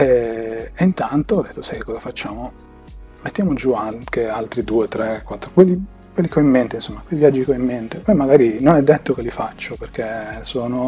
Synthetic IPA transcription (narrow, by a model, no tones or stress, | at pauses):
ɛeint̪ant̪oɔd̪ːet̪ːosajkekːɔzafat͡ʃːaːmo | met̪ːjamod͡ʒuakealt̪ɾid̪uːet̪ɾekwat̪ːɾokwelːi | kwelːikeɔimːent̪einsomːakwelivjad͡ʒːikeɔimːent̪epɔjmaɡaːɾinonɛd̪ːet̪ːokelːifat͡ʃːoperkesoːno